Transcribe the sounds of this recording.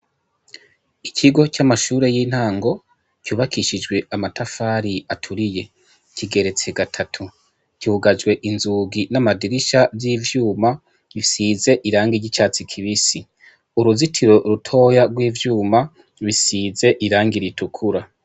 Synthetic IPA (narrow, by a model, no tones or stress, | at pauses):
icʰiɡo̞camaʃuːɾe̞jin̥haːŋɡo̞ | cuːβakʰiʃid͡ʒɡwe̞amatʰafaːɾiatʰuɾije̞ | ciɡe̞ɾe̞t͡se̞ɡatʰatʰu | kihuɡad͡ʒɡwe̞ʔinzuːɡinamadiɾiʃavjiːvjuːma | wisize̞ʔiɾaːŋɡiɟit͡ʃaːt͡sikʰiβisi | uɾuzitʰiɾo̞ɾutʰo̞ːjaɡwiːvjuːma | βisize̞ʔiɾaːŋɡiɾitukʰuɾa